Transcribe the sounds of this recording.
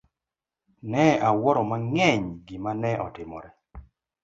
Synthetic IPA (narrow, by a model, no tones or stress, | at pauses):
nɛawɔɾɔmaŋɛɲɡɪmanɛʔɔtɪmɔ̰ɾɛ